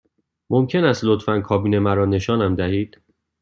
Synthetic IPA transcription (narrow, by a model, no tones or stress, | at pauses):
momcʰe̞næst̪lot̪fænkʰɒːbiːne̞mæɾɒːne̞ʃɒːnæmd̪æhiːd̪̥